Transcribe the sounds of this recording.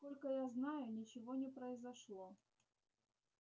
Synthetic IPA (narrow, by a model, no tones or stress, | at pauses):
skolʲkəjaznajʊnʲɪt͡ɕɪvonʲɪpɾəɪzɐʂlˠo